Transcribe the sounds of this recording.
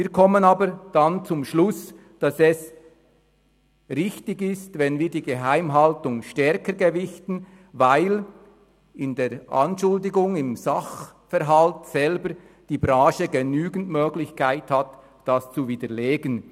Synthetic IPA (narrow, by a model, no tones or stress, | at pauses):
viːkʰɔmənɑːbəɾd̥ant͡sʊmʃlʊs | d̥ɑsɛs | ʁɪçtɪɡɪstvɛnviːɾdiːɡeɦaɪmɦɑltʊŋʃtɛɾkəɾɡevɪçtn̩ | vaɪl | ɪndeːɾʔa̰nʃʊldɪɡʊŋɪmzɑχfɛɾɦaltsɛlbəɾ | d̥iːbɾaːʃəɡenyːɡən̩tmøːɡlɪçkʰaɪthat | d̥ast͡suviːdəleːɡən